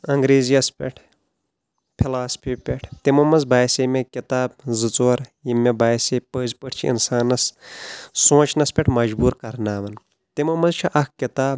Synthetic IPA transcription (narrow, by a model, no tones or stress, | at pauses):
ɐŋɡɾeːzijɐspʲeʈʰ | pʰilaːspʰipʲeʈʰt̪imɐmːɐzbaːjsemekʲit̪aːb̚zɨt͡soɐɾjimːebaːjsepəːzpəʈʰt͡ʃʰiḭnsaːnɐs | sõːt͡ʃʰnɐspʲeʈʰmɐd͡ʒbuːɾkɐɾnaːʋɐn | t̪imɐmɐzt͡ʃʰiʔɐkkit̪aːb̚